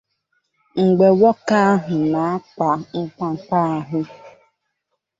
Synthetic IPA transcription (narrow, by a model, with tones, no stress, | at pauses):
ŋ̩˨ɡ͡be˨wɔ˦ka˦ɦʊ˨na˨a˦k͡pa˨ŋ̩˦k͡pa˦˨k͡pa˦ɦʊ˦